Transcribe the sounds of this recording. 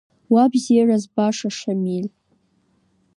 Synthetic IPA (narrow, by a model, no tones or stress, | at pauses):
wabzerazbaʂaʂamil